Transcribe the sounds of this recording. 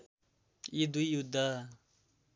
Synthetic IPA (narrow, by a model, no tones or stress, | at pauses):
id̪uijud̪a